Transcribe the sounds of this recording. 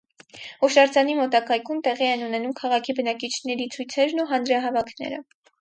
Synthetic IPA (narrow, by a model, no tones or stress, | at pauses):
ɔʃɑɾd͡zɑnimɔt̪ɑkɑjkʰumt̪ɛʁiɛnunɛnumkʰɑʁɑkʰibənɑkit͡ʃʰnɛɾit͡sʰujt͡sʰɛɾnuɦɑnɾɑɦɑvɑkʰnɛ̰ɾə̰